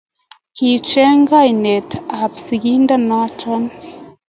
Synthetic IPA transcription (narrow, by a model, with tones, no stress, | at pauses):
ki˨t͡ʃɛ˦ŋ˦ɡa˦˨jne˨ta˨psi˨ɡi˦nda˦nɔ˦tɔ˦n